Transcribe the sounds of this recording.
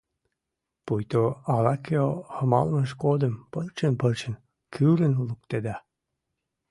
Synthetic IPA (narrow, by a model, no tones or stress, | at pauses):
pujt̪oɑlɑkeohəmɑ̰lməʃkod̪əmpərt͡ɕənpərt͡ɕə̆n | kʰyɾənluk̚t̪ed̪ɑ